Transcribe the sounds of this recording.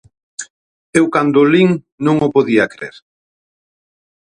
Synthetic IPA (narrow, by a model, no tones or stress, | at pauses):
ewkand̪ʊliŋ | nõŋʊpoðiɐkɾḛɾ